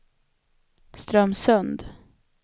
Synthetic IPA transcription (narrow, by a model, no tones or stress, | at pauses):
st̪ɾœmːsɵnd̪